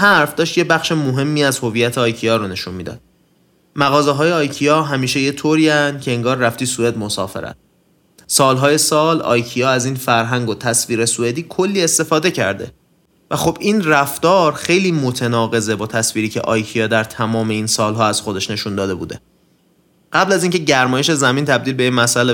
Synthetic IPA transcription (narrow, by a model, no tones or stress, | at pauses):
hæɾfd̪ɒːʃt̪jebæχʃemoɦe̞mːiːæzho̞viːjːæt̪ʰeɒːjcʰijɒːɾone̞ʃunmiːd̪ɒ̰ːd̪̥ | mæɣɒːzeɦɒːjeɒːjcʰijɒːɦæmiːʃeje̞t̪ʰoɾiːænd̪̥̚cʰeeŋɡɒːɾːæft̪iːsued̪mo̞sɒ̰ːfe̞̰ɾæ̰t̪̚ | sɒːlɦɒːje̞sɒːlɒ̰ːjcʰijɒːæziːnfæɾɦæŋɡot̪ʰæsviːɾe̞sue̞d̪iːkʰo̞lːiːe̞st̪e̞fɒːd̪e̞cʰæɾd̪e̞̰ | væxob̥inræft̪ɒːɾxe̞jliːmo̞t̪ʰenɒːɣe̞zebɒːt̪ʰæsviːɾiːcʰe̞̰ʔɒːjcʰijɒːd̪æɾt̪ʰæmɒːme̞iːnsɒːlɦɒːæz̥xo̞d̪e̞ʃne̞ʃund̪ɒːd̪e̞bṵːd̪e̞̰ | ɢæblæziːŋcʰeɟæɾmɒːjeʃe̞zæmint̪ʰæb̚d̪iːlbe̞iːnmæsʔæle